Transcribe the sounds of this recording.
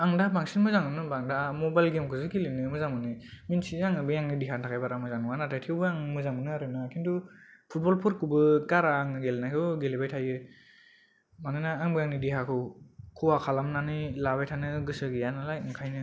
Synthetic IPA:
aŋdabaŋsinmɯzaŋɯnɯbaŋdamɔbajlɡemkʰɯzɯɡilinɯmɯzaŋbɯnɯminsizaŋɯbɯjaŋnidiɦantʰakʰajbaɾamɯzaŋɯwanatʰajtʰewbɯaŋmɯzaŋbɯnɯaɾɯnakʰintʰupʰut̚bɔlpʰɯɾkʰubɯɡaɾaːŋɯɡelnajkʰɯwɡelibajtʰajɯ | manɯnaːŋbɯjaŋnidiɦakʰɯwkʰɯwakʰalamnanɯlaβajtʰanɯɡɯsɯɡijanalajkʰajnɯ

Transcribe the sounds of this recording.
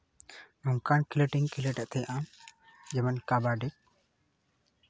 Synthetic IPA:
nɔŋkankileʈiŋkileʈaʔt̪ɛjʔamd͡ʒɛmənkabaɖik̚

